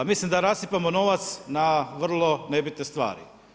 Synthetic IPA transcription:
mislimd̪aɾasipamono̞ʋat̪snaʋr̩lˠo̞nebit̪ne̞st̪ʋa̰ːɾḭ

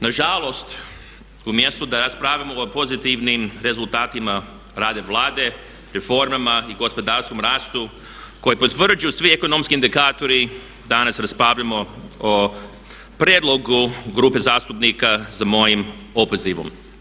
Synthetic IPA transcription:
naʒalˠo̞st̪ | umjest̪ud̪aɾaspɾaːʋamoopo̞zit̪iʋnimɾe̞zulˠt̪aːt̪ima | ɾaːd̪e̞ʋlˠaːd̪e̞ | ɾefo̞ɾmamaiɡo̞spo̞d̪aːɾsko̞mɾaːst̪u | ko̞jipot̪ʋr̩d͡ʒujusʋieko̞nomskiind̪ikaːt̪o̞ɾi | d̪anasɾaspɾaːʋʎamo̞o | pɾjed̪lˠo̞ɡuɡɾuːpe̞zaːst̪upnikazamo̞jimopoziʋo̰m

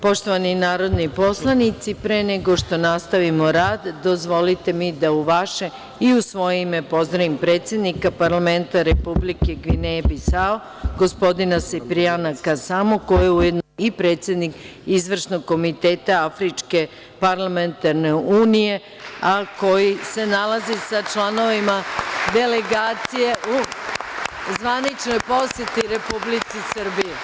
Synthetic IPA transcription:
po̞ʃt̪o̞ʋaninaːɾo̞d̪nipo̞slˠanit̪sipɾene̞ɡo̞ʃt̪o̞nast̪aʋimo̞ɾaːd̪ːo̞zʋo̞lit̪e̞mid̪auʋaʃe | iusʋo̞jimepo̞zd̪ɾaimpɾeːt̪sje̞d̪nikapaɾlˠame̞nt̪aɾepublike̞ɡʋinebisao | ɡo̞spo̞d̪inasepɾianakasamokojeujed̪noipɾeːt̪sʲje̞d̪nik | izʋr̩ʃno̞ɡkːo̞mit̪e̞ːt̪aafɾit͡ʃke̞ | paɾlˠament̪aɾne̞uːnije̞ | ako̞jise̞nalazisat͡ʃlˠano̞ʋimad̪e̞leɡaːt̪sije̞ʔu | zʋanit͡ʃnojpo̞sjet̪iɾe̞publit̪sisr̩bije

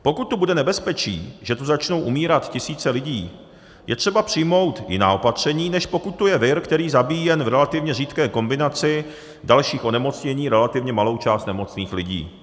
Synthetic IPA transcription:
po̞kut̪ːubudɛnɛbɛspɛt͡ʃḭːʒɛt̪uzat͡ʃno̞wʔumiːɾat̪cɪsiːt͡sɛlɪɟiː | jʔɛt̪r̝̥ɛbapr̝̥ɪjmo̞wt̪jɪ̰na̰ːʔo̞pat̪r̝̥ɛɲiːnɛʃpo̞kut̪̚tːujɛvɪɾkt̪ɛɾiːzabiːjɛnvɾɛlat̪ɪvɲɛriːt̪kɛːko̞mbɪnat͡sɪ | dalʃiːxʔo̞nɛmo̞t͡sɲɛɲiːɾɛlat̪ɪvɲɛmalo̞wt͡ʃaːst̪nɛmo̞t͡sniːxlɪɟḭː

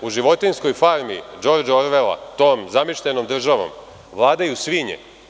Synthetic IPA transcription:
uʒiʋo̞t̪insko̞jfaɾmḭːd͡ʒo̞ɾd͡ʒoɾʋela̰t̪o̞ːmzamiʃlʲeno̞md̪r̩ʒaʋo̰m | ʋlˠaːd̪ajusʋiɲḛ

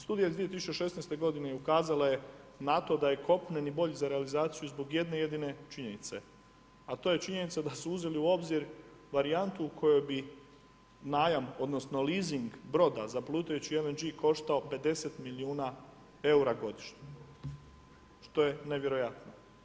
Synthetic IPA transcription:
st̪uːd̪ijaid̪ʋijet̪isut͡ɕeʃe̞snest̪e̞ɡo̞d̪ineukaːzalaje̞nat̪o̞d̪aje̞ko̞pnenibo̞ʎizaɾealizaːt̪sijuzbo̞ɡje̞d̪ne̞je̞d̪ine̞t͡ʃiɲe̞nit̪se̞ | at̪oje̞t͡ʃiɲe̞nit̪sad̪asuuze̞liuo̞bziɾ | ʋaɾiant̪uːkʰo̞jobi | naːjamo̞d̪no̞sno̞liːziŋɡbɾo̞d̪azaplˠuːt̪ajut͡ɕielend͡ʒiko̞ʃt̪ao̞pe̞d̪e̞se̞t̪miliuːna | e̞uɾaɡo̞d̪iʃɲe | ʃt̪o̞je̞ne̞ʋje̞ɾo̞jat̪no

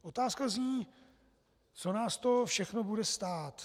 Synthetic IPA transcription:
ʔo̞t̪aːskazɲiː | t͡so̞naːst̪o̞fʃɛxno̞budɛst̪aːt̪

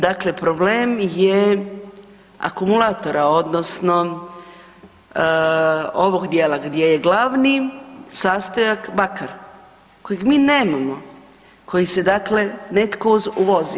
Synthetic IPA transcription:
d̪akle̞pɾobleːmje | a̰kumulat̪o̞ɾao̞d̪nosno̞ | o̞ʋo̞ɡd̪jelaɡd̪je̞je̞ɡlaʋnisaːst̪ojakbakaɾ | ko̞jiɡmiːne̞ːmamo̞ | ko̞jise̞d̪akle̞ne̞t̪kouzuʋo̞zi

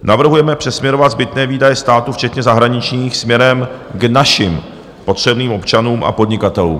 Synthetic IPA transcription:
navr̩ɦujɛmɛpr̝̥ɛsmɲɛɾovat̪zbɪt̪nɛːviːdajɛst̪aːt̪uft͡ʃɛt̪ɲɛzaɦɾaɲɪt͡ʃɲiːxsmɲɛɾɛmɡnaʃɪm | po̞t̪r̝̥ɛbniːmʔo̞pt͡ʃanuːmʔa̰po̞dɲɪkat̪ɛlṵːm

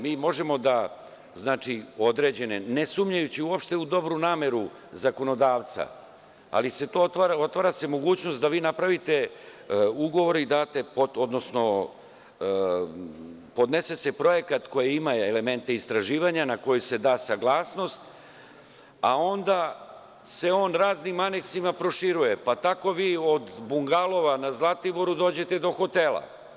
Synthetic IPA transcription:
miːmo̞ʒe̞mo̞d̪a | znaːt͡ʂio̞d̪ɾe̞d͡ʑe̞nene̞sumɲajut͡ɕiuopʃt̪e̞ud̪o̞bɾunaːme̞ɾu | zako̞no̞d̪aːʋt̪sa̰ | a̰lise̞t̪oːot̪ʋaːɾao̞t̪ʋaːɾase̞mo̞ɡuːt͡ɕnost̪d̪aʋiːnapɾaʋit̪e̞ | uɡo̞ʋo̞ɾid̪aːt̪e̞poto̞d̪no̞sno̞ | po̞d̪ne̞se̞se̞pɾo̞je̞kat̪ko̞jiimaele̞me̞nt̪e̞ist̪ɾaʒiːʋaɲanako̞juse̞d̪aːsaɡlˠaːsno̞st̪ | a̰o̞nd̪a | se̞o̞ːnɾaːznimane̞ksimapɾo̞ʃiɾuje̞pat̪ako̞ʋiːo̞d̪buŋɡalo̞ʋanazlˠat̪iboɾud̪o̞ːd͡ʑe̞t̪e̞d̪o̞xo̞t̪e̞lˠa̰

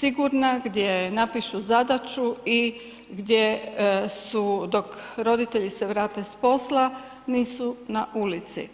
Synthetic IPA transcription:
siɡuɾnaɡd̪jenapiʃuzad̪at͡ʃui | ɡd̪je | sud̪o̞kɾo̞d̪it̪eʎise̞ʋɾaːt̪e̞spo̞sla | niːsunaʔulit̪sḭ

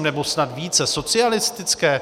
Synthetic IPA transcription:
mnɛbo̞snat̪viːt͡sɛso̞t͡sɪalɪst̪ɪt͡skɛː

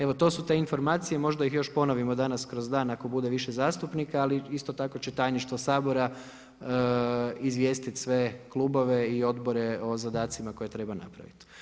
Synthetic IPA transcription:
e̞ʋo̞t̪o̞ːsut̪e̞info̞ɾmaːt̪sije̞mo̞ʒd̪aixjo̞ʃpo̞noʋimo̞d̪anaskɾo̞zd̪aːnako̞bud̪e̞ʋiʃezaːst̪upnikaaliist̪o̞t̪ako̞t͡ɕet̪ajniʃt̪ʋosaːbo̞ɾa | izʋje̞ːst̪it̪sʋe̞klˠubo̞ʋe̞io̞d̪bo̞ɾeo̞zad̪aːt̪simako̞je̞t̪ɾe̞bana̰pɾa̰ʋḭt̪

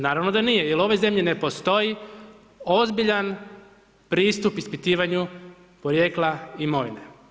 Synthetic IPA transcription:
naːɾaʋno̞d̪anijejelo̞ʋo̞jze̞mʎine̞po̞st̪o̞ji | ozbiʎan | pɾiːst̪upispit̪iːʋaɲu | po̞ɾje̞ːklˠaimo̞ʋine

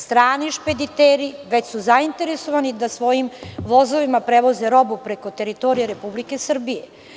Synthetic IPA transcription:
st̪ɾaːniʃped̪it̪eɾiʋet͡ɕsuzaint̪e̞ɾesoʋanid̪asʋo̞jimʋo̞zoʋimapɾeʋozeɾo̞bupɾeko̞t̪e̞ɾit̪o̞ɾijeɾepublike̞sr̩bije

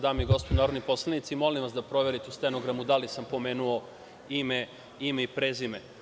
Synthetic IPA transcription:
d̪aːmiɡo̞spod̪unaːɾod̪nipo̞slˠanit̪simo̞limʋasd̪apɾo̞ʋe̞ɾit̪eust̪enoɡɾamud̪alisampo̞meːnuo | ime | imeipɾezime

